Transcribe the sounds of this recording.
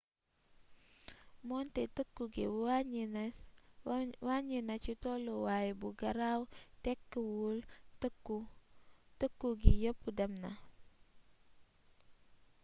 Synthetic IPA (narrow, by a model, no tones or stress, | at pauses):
mɔntetəkːuɡḛ | waɲinat͡ʃitolowajebuɡaɾawtɛkːəwultu | təkːuɡijəpudamna̰